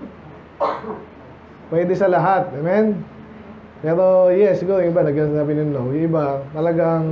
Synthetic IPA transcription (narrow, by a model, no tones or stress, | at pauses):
pwɛːd̪ɛsɐlɐɦat̪̚ɐmɛn | pɛːɾojɛsɪɡuɾjʊŋʔɪbanɐɡasaːbɪnɪnlowjʊŋʔɪbat̪ɐlɐɡaŋ